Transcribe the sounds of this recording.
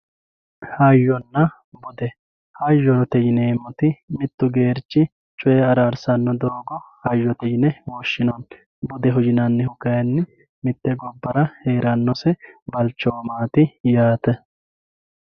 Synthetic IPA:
hɐjːɔnːɐ | bʊd̪ɛ | hɐjːɔt̪ɛjɪnɛːmɔt̪ɪmɪt̪ːʊɡe̞ːɾt͡ʃːɪ | t͡ʃʼʊɛːɐɾaːɾsɐnːɔd̪oːɡɔhɐjːɔt̪ɛjɪnɛwɔːʃːɪnɔn | bʊd̪ɛɦʊd͡ʒɪnɐnːɪhʊkːɐjɐnːɪ | mɪt̪ːɛɡɔbːɐɾɐheːɾɐnːɔsɛbɐlt͡ʃːoːmaːt̪ɪjaːt̪ɛ

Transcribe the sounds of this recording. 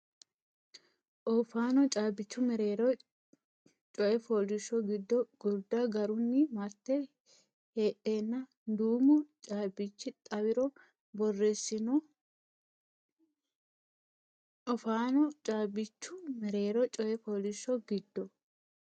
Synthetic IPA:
ʔɔfaːnɔt͡ʃʼaːbɪt͡ʃːʊmɛɾeːɾɔ | t͡ʃʼɔʔɛfoːlɪʃɔɡɪd̪ːɔɡ̥ʊɾd̪ɐɡɐɾʊnːɪmɐt̪ːɛ | heːʔːeːnːɐ | d̪uːmʊt͡ʃʼaːbɪt͡ʃːɪt̪ʼɐwɪɾɔ | bɔrːɛsːɪnɔ | ʔɔfaːnɔt͡ʃʼaːbɪt͡ʃːʊmɛɾe̞ːɾɔt͡ʃʼɔʔɛfoːlɪʃːɔɡɪd̪ːɔ

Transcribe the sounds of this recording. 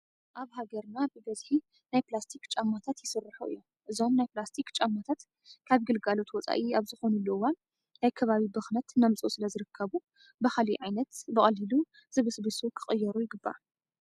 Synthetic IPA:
ʔaβɦaɡɐɾnabɨbɐzħi | najplast̪ʰikt͡ʃʼamːat̪ʰat̪jɪsɨrːɨħuɨ̰jːomʔɨzomnajplast̪ʰikt͡ʃʼamːat̪ʰat̪ | kʰaβɡɨlɡalo̞t̪wɔt͡sʼa̰ʔiaβzɨxo̞nulɐwan | najkʰɐβaβibɨxnɐt̪namt͡sʼṵsɨlɐzɨɾɨkʰːɐβu | bɐxaliʕajnɐt̪bɨχʼɐlilu | z̥ɨβɨsbɨsukʰɨxʼɨjːɛɾujɪɡɨbːa̰

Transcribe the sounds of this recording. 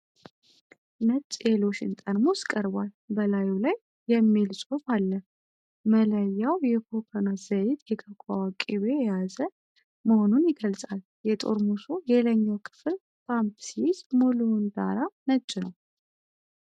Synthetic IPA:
nət͡ʃʼelo̞ʃɪ̰nt̪ʼənmoskʼəɾbal | bəlajulajː | ɛmːilsʼofalːə | mələjːawjɛkʰopʰonaz̥əjɪt̪jɛkʰəkʷʼawakʼiβe̞jɛjazə | məho̞nunjɪɡəlsʼal | jɛt̪ʼo̞̰ɾmuso̞jɛləɲːawkʰɨ̥fɨl | pʰampsizmolund̪a̰ɾanət͡ʃʼːnəw

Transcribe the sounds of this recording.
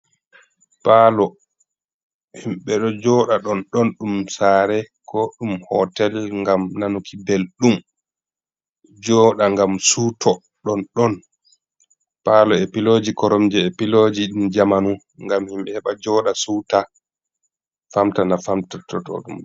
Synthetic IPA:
palɔ | himɓɛɗɔd͡ʒɔɗaɗɔnɗɔnɗumsaːɾɛkɔɗumhɔtɛlŋɡamnanukʰibelɗum | d͡ʒɔːɗaŋɡamsutʰɔ | ɗɔnɗɔn | paːlɔepilod͡ʒikɔɾɔmd͡ʒɛepilod͡ʒiɗumd͡ʒamanu | ŋɡamhimɓɛhɛɓad͡ʒɔːɗasuta | famtanafamtatɔ̰tɔ̰ɗṵm

